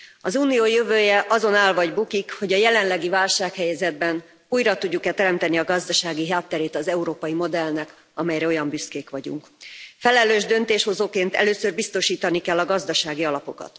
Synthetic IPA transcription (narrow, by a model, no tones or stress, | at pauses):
ɒzuːnijoːjøvøːjɛʔɒzo̞naːlvɒɟbukikho̞ɟɒjɛlɛnlɛɡivaːlʃaːkhɛjɛzɛd̪̚bɛn | uːjɾɒt̪uɟːukɛt̪ɛɾɛmt̪ɛniɒɡɒzd̪ɒʃaːɡiɦaːt̪ːɛɾeːt̪ɒzɛuɾoːpɒjimo̞d̪ɛlnɛk | ɒmɛjɾɛo̞jɒmbyskeːkʋɒɟṵŋkfɛlɛløːʒd̪ø̞nt̪eːʃho̞zoːkeːnt̪ɛ̰løːsørbist̪o̞ʃiːt̪ɒnikɛlːɒɡɒzd̪ɒʃaːɡiɒlɒpo̞kɒ̰t̪